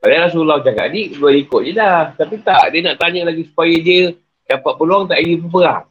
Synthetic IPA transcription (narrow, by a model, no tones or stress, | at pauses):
kadaɾas̬ulat͡ʃaka̰ʔ̪diʔdualikoʔ̚d͡ʒədaht̪apit̪aʔdiənaʔt̪aɲəlaɡisu̥pajadiə | d͡ʒapaʔ̚pəluaŋt̪aʔijəp̬əp̬əɾa